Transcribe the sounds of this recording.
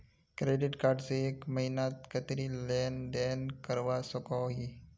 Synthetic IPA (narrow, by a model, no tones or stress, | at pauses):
kɾeɖɪʈkaɾɖseːkməɦinat̪̚kət̪ɾilend̪enkəɾʋasəkaɦi